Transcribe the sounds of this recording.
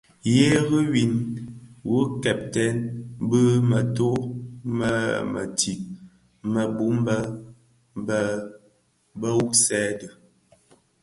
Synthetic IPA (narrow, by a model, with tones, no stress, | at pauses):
je˦ɣə˦wi˨n | wu˦kɛ˨p̚tɛ˦nbə˦mə˨to˦mə˦mə̰˨ti˨ʔ̚ | mə˨bu˨˦m˦bə˦ | bə˦ | bə˦wu˦ksɛː˦də˨